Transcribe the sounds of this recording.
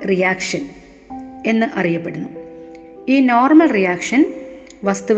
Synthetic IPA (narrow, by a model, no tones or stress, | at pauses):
rijaːkʂɐn | e̞nːɨʔɐrijɐpːeɽunːu | iːno̞ːrmɐlrijaːkʂɐn | ʋɐst̪u